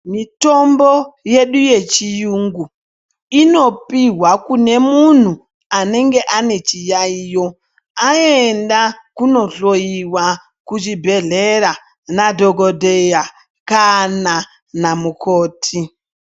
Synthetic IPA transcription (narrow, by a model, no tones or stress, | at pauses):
mito̞mbo̞je̞ɗuje̞t͡ʃijuŋɡu | ino̞piɦwakune̞mun̤u | ane̞ŋɡe̞ʔane̞t͡ʃijaiːjo̞ | aendakuno̞ɬo̞jiwa | kut͡ʃibʱe̞ɮeɾa | nadʱoɡodʱeja | kana | namukʰoːtʰi